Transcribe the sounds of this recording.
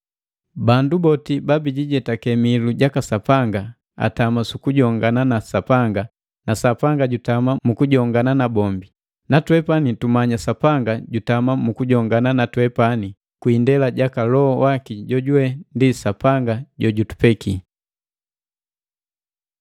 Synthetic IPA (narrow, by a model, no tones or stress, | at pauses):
bandubɔtibabiɟiɟɛtakɛmiluɟakasapaŋɡa | a̰tamasukuɟɔŋɡananasapaŋɡa | nasapaŋɡaɟutamamukuɟɔŋɡananabɔmbi | natwɛpanitumaɲasapaŋɡaɟutamamukuɟɔŋɡananatwɛpani | kwindɛlaɟakalɔɔwakiɟɔɟuwɛndisapaŋɡaɟɔɟutu̥pɛki